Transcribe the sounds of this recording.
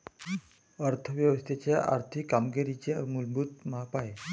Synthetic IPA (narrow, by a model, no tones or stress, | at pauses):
əɾt̪ʰəʋjəʋəst̪ʰet͡ɕjaʔa̰ɾt̪ʰikːamɡeɾit͡ɕemulbut̪maɦapae